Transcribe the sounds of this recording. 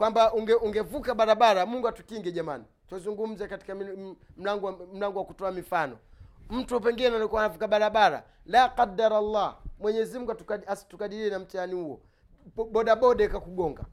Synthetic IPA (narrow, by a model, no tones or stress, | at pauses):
kwambaʔuŋɡɛuŋɡɛvukaɓaɾaɓaɾamuŋɡuatukiŋɡɛʄamani | twazuŋɡum̩zɛkati̥kam̩laŋɡm̩laŋɡɔwakutɔamifanɔ̰m̩tuɔp̬ɛŋɡinɛnalikuwanavukaɓaɾaɓaɾa̰ | laqadaɾalːaːmwɛɲɛzim̩uɡuatukaasi̥tukaɗiɾiɛnam̩tianihuwɔ̰ | ɓɔɗaɓɔɗakakuɡɔŋɡa̰